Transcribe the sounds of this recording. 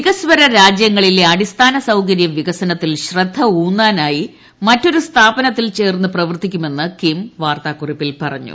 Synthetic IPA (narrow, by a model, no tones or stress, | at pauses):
ʋiɣɐsʋɐɾɐɾaːd͡ʑjɐŋːɐɭileɐɽist̪ʰaːnɐsɐwkɐɾjɐʋiɣɐsɐnɐt̪ːilɕrɐd̪ʱːɐuːnːaːnaːji | mɐtːo̞ɾust̪ʰaːbɐnɐt̪ːilt͡ɕe̞ːrnːɨprɐʋɐrt̪ikʲːume̞nːɨkimʋaːrt̪aːkuripːilpɐrɐɲːṵ